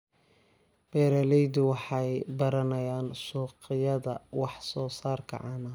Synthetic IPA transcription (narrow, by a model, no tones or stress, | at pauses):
b̥ɛːɾɐlɛjd̪ʊwɑħɑjbɐɾɐnɐjaːnʃuːqɪjɐðɐwɑħsɔːsaːrkʰɐ̰ʕɑːnɐ